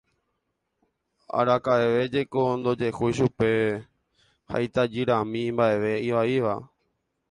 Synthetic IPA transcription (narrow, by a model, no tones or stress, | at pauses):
a̰ɾakaeʋe̞d͡ʒe̞kond̪o̞d͡ʒe̞hujʃupe̞ | ha̰jt̪ad͡ʒiɾãmĩmbaʔe̞ʋe̞iʋaiʋa